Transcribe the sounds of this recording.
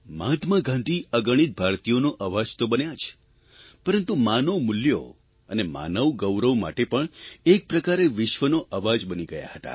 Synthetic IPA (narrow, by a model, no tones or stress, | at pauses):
mat̪ʰmaɡãnd̪ʱiəɡəɽ̃it̪̚bʱaɾt̪ijonoʔəʋad͡ʒt̪obənjat͡ʃʰ | pəɾənt̪umanəʋmʊljo̰ | ənema̰nəʋɡəwɾəʋma̰ʈepəɳek̚pɾəkaɾeʋɪʃʋənoʔəʋad͡ʒbəniɡəja̰hət̪a̰